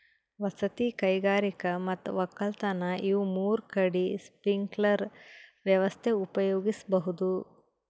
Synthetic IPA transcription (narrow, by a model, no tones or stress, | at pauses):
ʋɐsɐt̪ikɐjɡaːɾikɐmɐt̪ːuʋɐkːɐlt̪ɐnɐʔiʋumuːɾkɐɽispɾiŋɡlɐɾʋjɐʋɐst̪ʰeupɐjoːɡisɐbɐɦud̪u